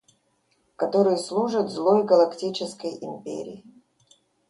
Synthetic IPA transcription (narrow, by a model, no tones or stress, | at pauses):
kɐt̪oɾɨjslˠuʐət̪zlˠojɡəlˠɐktʲit͡ɕɪskəjɪmʲpʲḛɾʲɪ̰ː